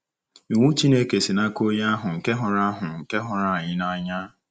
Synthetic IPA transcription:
i˨ŋʷu˦t͡ʃi˦ne˦ke˨si˨na˦ko˦ja˦ɦʊ˨ŋ̩˨ke˦ɦʊ˨ɾa˦a˦ɦʊ˨ŋ̩˨ke˦ɦʊ˨ɾa˦˨ɲɪ˦na˦ɲa˦

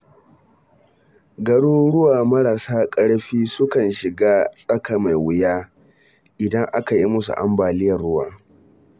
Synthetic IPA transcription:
ɡɐ˦ɽuː˦ɽʊ˦waː˨mɐ˦ɽaː˨saː˦kʼɐ˦ɽɸiː˦sʊ˦kɐ˨nʃɪ˨ɡaː˦sʼɐ˦ka˨ma˨jwʊ˦jaː˦ | ʔɪ˨dɐ˦ŋʔa˦ka˨ji˦mʊ˦sṵ˨ʔa̰˦mbaː˨lɪ˦jɐ˨rɽʊ˦wa̰ː˨

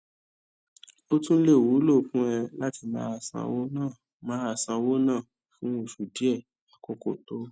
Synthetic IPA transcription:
o˦tũ˦le˦˨wu˨˦lo˦˨fũ˦ɛ˧la˦ti˧˦mã̰ː˨˦a˧˨sã̰˧wo˦nãː˦˨ | mãː˨˦a˧˨sã˧wo˦nãː˦˨ | fũ˦o˦˨ʃu˨di˦ɛ˦˨ | a˨kɔ˦ko̰˦˨to˨˦

